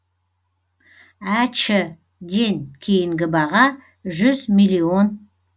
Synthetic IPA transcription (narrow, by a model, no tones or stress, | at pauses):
æt͡ʃɪ | d̪e̞nkʲʰe̞jɪŋɡʲɪbɑʁɑ | ʒʏzmijlʲio̞n